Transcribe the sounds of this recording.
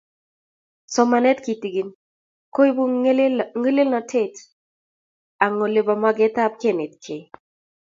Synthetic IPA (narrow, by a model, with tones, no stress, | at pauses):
sɔ˨ma˨nɛ˦t̚ki˨ti˨ɡi˨n | ko˦i˦bu˦ŋi˦lɪ˦lnɔ˨tʰe˦t | a˨ŋɔ˨le˨ba˨mwa˦ɡɛ˦ta˦p̚ke˦˨ne˨t̚kʰe˨j